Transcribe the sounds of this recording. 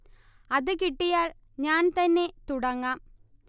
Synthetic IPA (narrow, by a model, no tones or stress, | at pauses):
ɐðɨkiʈːijaːɭ | ɲaːnt̪ɐnːe̞t̪uɽɐŋːaːm